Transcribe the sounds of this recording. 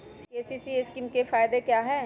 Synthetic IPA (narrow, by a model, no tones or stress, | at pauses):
keːsisiɪskimkefaːɪd̪ekjaːɦɛː